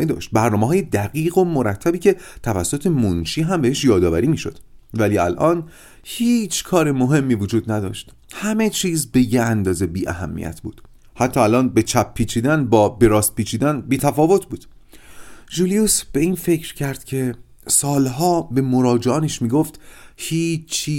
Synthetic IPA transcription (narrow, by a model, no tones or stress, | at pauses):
ed̪ɒ̰ːʃt̪̚bæɾnɒːmeɦɒːje̞d̪æɣiːɣo̞moɾæt̪ʰːæbiːcʰe̞t̪ʰævæsːot̪ʰe̞monʃiːɦæmbeeʃjɒːd̪ɒːvæɾiːmiːʃo̞̰d̪̥væliːælʔɒːn | hiːt͡ʃʰkʰɒːɾemoɦe̞mːiːvod͡ʒuːd̪næd̪ɒːʃt̪ | hæme̞t͡ʃʰiːzbe̞jeænd̪ɒːze̞biːʔæ̰ɦæ̰mːḭjæ̰t̪ʰbṵːd̪̥ | hæt̪ʰːɒːælɒːnbe̞t͡ʃʰæpʰːiːt͡ʃʰiːd̪ænbɒːbe̞ɾɒːst̪̚piːt͡ʃʰiːd̪ænbiːt̪ʰæfɒːvo̞t̪ʰbuːd̪̥ | ʒuliusb̥e̞iːnfe̞cʰɾcʰæɾd̪̥cʰe̞ | sɒːlɦɒːbe̞mo̞ɾɒːd͡ʒeɒːneʃmiːɡoft̪hiːt͡ʃʰiː